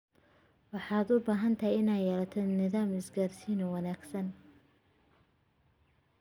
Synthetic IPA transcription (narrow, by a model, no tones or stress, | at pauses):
wɑħɑːd̪ʊbaːɦɐnt̪ʰɐhɛɪnaːj̪jɛːlɐt̪ʰɛnɪðaːmɪsɡaːrsiːnɔwɑnaːɡsɐn